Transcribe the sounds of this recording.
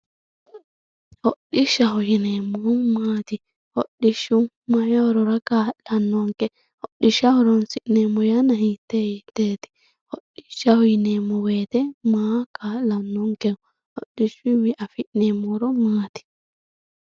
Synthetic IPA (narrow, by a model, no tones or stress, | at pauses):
hoɗːiʃahjinɛmɔmati | hoɗːiʃumːajawɾɔɾakalanːɔŋkɛ | hoɗːiʃawɾɔnsiʔnɛmɔjanahitɛhitɛti̥ | hoɗːiʃawjinɛmɔwɛtɛmakalanːɔŋkɛw | hoɗːiʃuwiʔafiʔnɛmɔɾɔmaːti̥